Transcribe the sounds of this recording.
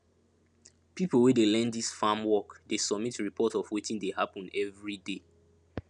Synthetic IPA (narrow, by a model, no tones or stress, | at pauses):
pipəl̩ˠwɛdelɛ̃ndisfamwɔkdesɔb̚mitɹipʰɔtɔfwitĩndehapə̃nɛvɹide